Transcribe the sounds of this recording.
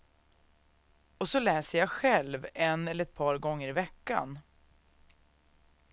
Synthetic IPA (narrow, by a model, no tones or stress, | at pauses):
ɔsɔlɛːsəjaɧɛlvɛnɛləɾɛt̪̚pʰɑːɾɡɔŋːəɾɪvɛkːa̰n